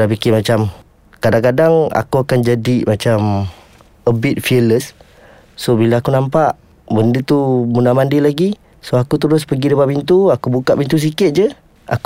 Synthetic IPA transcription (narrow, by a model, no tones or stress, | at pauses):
ap̬ikɪmat͡ʃam | kadaŋkadaŋa̰kuakand͡ʒadimat͡ʃam | əbɪt̪̚fiələsː | obilaakunampaʔ | bəndət̪ubunamandilaɡi | soakut̪əɾʊspəɡidəpaʔpint̪uakubukaʔpint̪us̬ikɪt̪̚d͡ʒə | ʔa̰k